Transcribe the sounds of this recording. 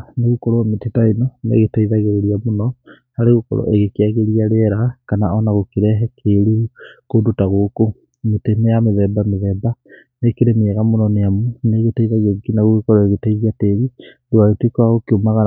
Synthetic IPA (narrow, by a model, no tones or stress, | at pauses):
neɣukɔɾɔmetetainɔnḛɣetaiðaɣeɾeɾiamonɔ | haɾeɣukɔ̰ɾɔ̰ʔeɣekeaɣeɾiaɾeɛɾakanaɔnaɣokeɾɛɦɛkʰeɾuukodotaɣoːko | metenejameðɛbameðɛba | nekeɾemeɛɣamonɔneamuneɣetaiðaɣeikinaɣoɣekɔɾɔeɣetaiðiateβi | doaɣetekwaɣokeomaɣa